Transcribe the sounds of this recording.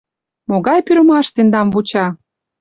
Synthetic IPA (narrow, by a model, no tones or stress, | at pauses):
moɣɑjpyɾə̆mɑʃt̪end̪ɑmvut͡ɕɑ